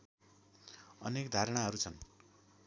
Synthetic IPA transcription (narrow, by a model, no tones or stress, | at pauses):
ʌ̰nekd̪ʱaɾɽ̃aɦʌɾut͡sʰʌn